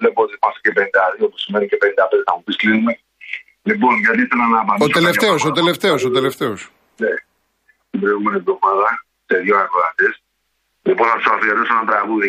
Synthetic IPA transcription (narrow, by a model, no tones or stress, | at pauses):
lepot̪imɐst̪e̥cepend̪ɐðiopo̥simenicepend̪ɐped̪nɐmupisklinume | liponʝɐt̪iiθelɐnɐːpɐnost̪eleft̪eosot̪eleft̪eosot̪ele̞ft̪e̞os | ne | t̪ibɾo̞iɣumenivðomɐðɐ | seðjoɐkoðɐt̪es | liponθɐpsaθijɐt̪osenɐt̪ɾɐɣuði